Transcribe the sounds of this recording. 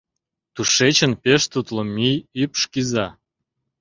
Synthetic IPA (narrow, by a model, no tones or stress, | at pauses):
t̪uʃet͡ɕənpeʃt̪ut̪lomijypʃkizɑ